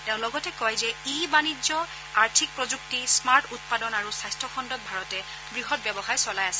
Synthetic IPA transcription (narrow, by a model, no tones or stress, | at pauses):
teʊ̃lɔɡɔtɛkɔjzɛibanid͡ʒɔ | aɹtʰik̚pɹɔzuk̚tismaɹtʰut̚padɔnaɹusajstʰɔkʰɔndɔt̚bʱaɹɔtɛ | bɹiɦɔt̚bɛbɔxajsɔlajasɛ̥